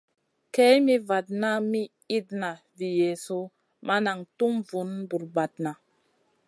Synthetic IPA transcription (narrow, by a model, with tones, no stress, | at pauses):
ke˦jmi˦va˨t̚na˦mi˦ | i˦t̚na˨ | vi˨je˨so˦ | ma˦na˨ŋtu˦mvu˨˦nbu˨ɾba˨t̚na˨